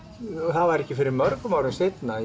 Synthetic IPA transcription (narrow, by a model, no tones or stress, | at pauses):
θaðvaɾɛhcɪfɪɾɪɾmœɾkʏmawɾɪnst̪ejt̪na